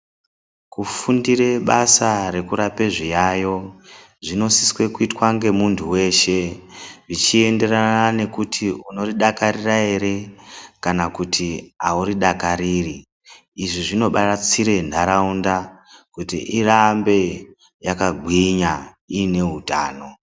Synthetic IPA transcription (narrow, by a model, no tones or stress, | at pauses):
kufundiɾe̞ɓasaɾe̞kuɾape̞ʐijajo̞ | ʐino̞siswe̞kuitwaŋɡe̞muntʰuwe̞ːʃe̞ʐit͡ʃie̞nde̞ranane̞kutʰiuno̞riɗakaɾirae̞ɾe̞kanakutʰiauɾiɗakaɾiːriː | ʐiʐino̞ɓarat͡siɾe̞ndʱaɾaundakutḭʔirambe̞ | jakaɡʱwiɲa | iːne̞ɦuta̰ːno̞